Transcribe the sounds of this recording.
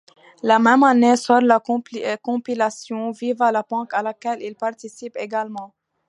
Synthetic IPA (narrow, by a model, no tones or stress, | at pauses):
lamɛmanesɔɾlakɔ̃pilasjɔ̃vivalapɑ̃kalakɛlilpaʁt̪isipeɡalmɑ̃